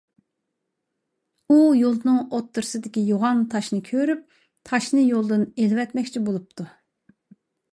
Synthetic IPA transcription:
ujolˠnɨŋot̪ːɨɾɨsɨd̪ɪkʲijoʁɑnt̪ʰɑʃnɨkʲʰøɾyp̚ | t̪ʰɑʃnɨjolˠd̪ɨnelvɛt̪mɛkʲt͡ʃʰibolˠup̚t̪ʰu

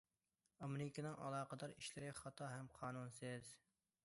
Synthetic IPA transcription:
ɑmɪɾɪkʲinɨŋʔɑ̰lˠɑːqəd̪ɑɾiʃlɪɾɪχɑt̪ʰɑɦɛmqʰɑːnunsɪz

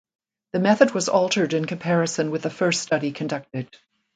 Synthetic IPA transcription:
ðɨmɛθɨd̚wʌzɔlˠtʰə˞ɾɨ̃nkʰɨ̃mpʰɛɹɨsɨ̃nwɨðɨfɜ˞ststʌɾikʰɨ̃ndʌk̚tɨd̥̚

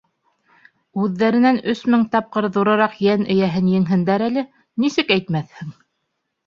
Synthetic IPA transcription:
ʉðːæɾɘ̆nænɵsmɘŋt̪ɑp̚qɤɾðuɾɤ̆ɾɑqjænɘ̆jæɦɘnjɘ̆ŋɦɘ̆nd̪æɾælɘ | nisɘkæjt̪̚mæθhɘŋ

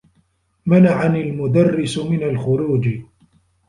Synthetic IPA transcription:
manaʕanalmʊd̪arːɪsmɪnalxʊɾuːd͡ʒ

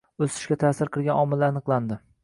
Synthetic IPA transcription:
ɵsɪ̥ʃkʲat̪ʰasɪɾqʰɨɾˠɡʲanɒmɪlanɨqlˠand̪ɪ

